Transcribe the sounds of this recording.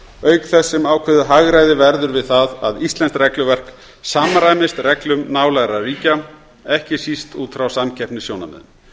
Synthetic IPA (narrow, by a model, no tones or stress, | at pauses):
œːɥkθɛsːɪmaːwkʰvɛðʏɦaɣɾaːjðɪvɛɾðʏɾvɪðθaðaðist̪lɛnst̪rɛklʏvɛr̥k | saːmaɾaːjmɪst̪rɛklʏmnaːwlaɣɾariːca | ɛhcɪsist̪uːt̪fɾawsamcʰɛpnɪsjowna̰mɛ̰ðʏ̰m